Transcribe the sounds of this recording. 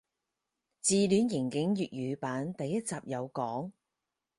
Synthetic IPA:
t͡siː˨lyː˨˥njɪ˨˩ŋkɪ˨˥ŋjyː˨t̚jyː˨˧paː˨˥nt̪ɐ˨jːɐ˥t̚t͡saː˨p̚jɐ˨˧wkɔː˨˥ŋ

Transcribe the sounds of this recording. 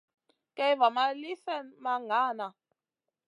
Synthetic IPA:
kɛ˦jva˨ma˦li˦fɛ˦˨nma˦ŋa˨˦˨na˨

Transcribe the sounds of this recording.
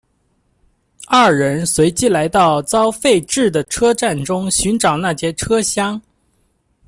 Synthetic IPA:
a˥˩ɻə˧˥nswe˧˥ɪt͡ɕi˥la˧˥ɪt̪ɑ˥˩ʊt͡sɑ˥ʊfe˥˧ɪʈ͡ʂɻ̩˥˩d̪ə˩ʈ͡ʂʰɤ˥ʈ͡ʂa˥˩nʈ͡ʂʊ˥ŋɕy˧˥nʈ͡ʂɑ˨˩ʊna˥˩t͡ɕjɛ˥ʈ͡ʂʰɤ˥ɕjɑ˥ŋ

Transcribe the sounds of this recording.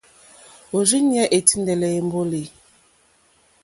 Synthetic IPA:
o˨zi˦ɲi˦ɛ˦ʔe˨ti˦ndɛ˨lɛ˨e˨m˦bo˦le˨

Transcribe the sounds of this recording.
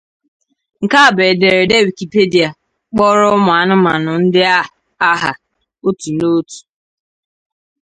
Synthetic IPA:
ŋ̩˨ka˦˨be˨de˨ɾe˨de˦˨wi˨ki˨pe˦di˨a˨ | k͡pɔ˦ɾʊ˦ʊ˦m˨a˨nʊ˦ma˨nʊ˨n̩˦dɪ˦a˦ | a˦ɦa̰˨ | o˦tu˨no˦tu̥˨

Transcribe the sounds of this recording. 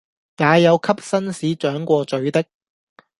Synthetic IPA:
jaː˨˧jɐ˨˧wkʰɐ˥p̚sɐ˥nsiː˨˥t͡ʃœː˨˥ŋkʷɔː˧t͡ʃɵ˨˥ɥt̪ɪ˥k̚

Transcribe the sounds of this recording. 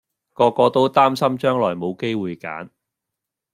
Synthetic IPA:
kɔː˧kɔː˧t̪o˥wt̪aː˥msɐ˥mt͡ʃœː˥ŋlɔː˨˩jmo˨˧wke˥jwuː˨˧jka̰ː˨˥n

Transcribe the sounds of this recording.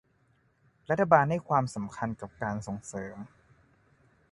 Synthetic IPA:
ɾa˦˥t̪ʰːa˧baː˧nda˥˩jkʰwaː˧msa˩˦mkʰa˧nka˨˩p̚kaː˧nso˨˩˦ŋsɤː˩˦m

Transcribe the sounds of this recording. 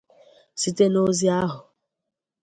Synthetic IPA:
si˦te˦no˦zi˦a˦ɦʊ˨

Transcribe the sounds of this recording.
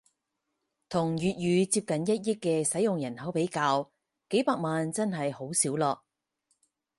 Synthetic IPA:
t̪ʰʊ˨˩ŋjyː˨t̚jyː˨˧t͡siː˧p̚kɐ˨njɐ˥t̚jɪ˥kːɛː˧sɐ˨˥jʊ˨ŋjɐ˨˩nhɐ˨˥wpe˨˥jkaː˧w | ke˨˥jpaː˧k̚maː˨nt͡sɐ˥nɦɐ˨jho˨˥wsiː˨˥wlɔː˨k̚

